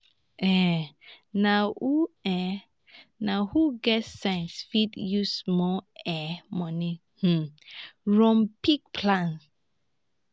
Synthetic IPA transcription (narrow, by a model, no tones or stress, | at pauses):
ʔɛ | nauɛ | nahuɡɛtsãj̃nsfidjusmɔɛmɔni | h̩ | ɹɔ̃mpik̚pʰlãn